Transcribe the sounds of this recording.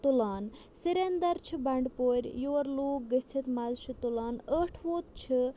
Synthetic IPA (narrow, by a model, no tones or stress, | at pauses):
t̪ulaːn | siɾend̪ɐɾt͡ʃʰibɐɳɖpoːɾʲjoːɾluːk̚ɡət͡sʰit̪mɐzʃʰɨt̪ulaːnəːʈʰʋoːt̪̚t͡ʃʰɨ